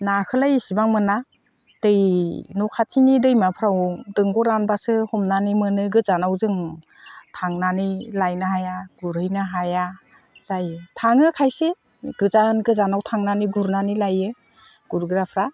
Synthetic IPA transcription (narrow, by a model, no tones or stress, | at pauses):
nakʰɯlajisibaŋmɯna | d̥ɯjnɔkʰatʰinidɯjmapʰɾawdɯŋɡɔɾanbasɯhɔmnanimɯnɯɡɯzanawzɯŋ | tʰaŋnanilajnɯɦajaɡ̥uɾhɯjnaɦaja | z̥ajɯtʰaŋɯkʰajse | ɡ̥ɯzanɡɯzanawtʰaŋnaniɡuɾnanilajɯ | ɡ̥uɾɡɯɾapʰɾa